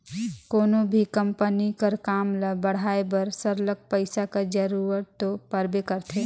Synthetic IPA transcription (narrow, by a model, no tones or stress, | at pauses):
koːnobʱikə̃mpənikəɾkaːmlabəɽ̤aːebəɾsəɾlək̚pəɪsakad͡ʒəɾuːɾəɾt̪ːopəɾbekəɾt̪ʰe